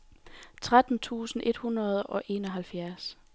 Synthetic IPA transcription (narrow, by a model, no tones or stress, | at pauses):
t͡sʰʁad̥n̩t͡sʰṵːsn̩ʔe̝d̥hunʁɐð̞̩ˠɒ̽ʔe̝nɒ̽ɦælfjæɐs